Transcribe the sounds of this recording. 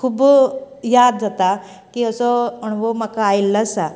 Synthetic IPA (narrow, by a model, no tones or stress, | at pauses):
kʰub | jad̪̚d͡zat̪a | kiːəsɔəɳʋomakaːjlːəsa